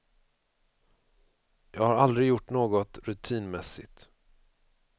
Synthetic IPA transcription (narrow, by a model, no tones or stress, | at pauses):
jɑːɡhaɾald̪ɾɪjʊʈːnoːɡɔt̪ɾɵt̪ʰiːnmɛsɪ̰t̪